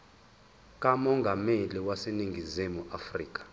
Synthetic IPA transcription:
kʼamɔŋɡʱameliwaseniŋɡʱizimuafriːkʼḁ

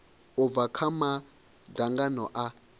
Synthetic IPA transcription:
ʊvakʰama | daŋɡanɔʔa

